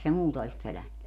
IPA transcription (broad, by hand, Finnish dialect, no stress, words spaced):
se muːtɑ olis pølænːy